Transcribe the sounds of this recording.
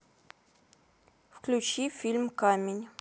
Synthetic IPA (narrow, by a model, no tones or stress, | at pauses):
fklʲʊt͡ɕifʲilʲmkamʲɪnʲ